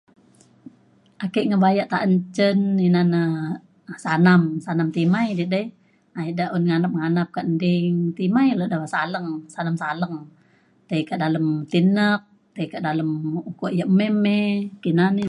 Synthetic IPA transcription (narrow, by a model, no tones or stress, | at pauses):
ʔakəʔŋəbajaʔt̪aʔəɲt͡ʃəninanə | sanamsanamt̪imajdidəj | aidaʔunŋanap̚ŋanap̚kaʔndɪŋt̪imajlodawasaləŋsanamsaləŋ | t̪aikaʔdaləmt̪inək̚ | t̪aikaʔdaləmukoʔjəʔmɛmekinani